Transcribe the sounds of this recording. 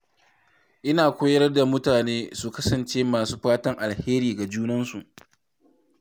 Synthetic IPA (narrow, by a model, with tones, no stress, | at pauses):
ʔɪ˦naː˨kʷoː˦jɐ˦ɾɐ˦rda˨mʊ˦taː˨neː˦su˨kɐ˦sɐ˨nt͡ʃeː˦maː˨suː˦ɸaː˦tɐ˦ŋʔa˨lheː˦ɾiː˨ɡa˨d͡ʒuː˦nɐ˦nsu˨ʔ